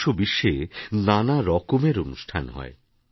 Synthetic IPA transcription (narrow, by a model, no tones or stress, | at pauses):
ʃobiʃːenanaɾɔkomeɾonuʃʈʰa̰nɦɔ̰e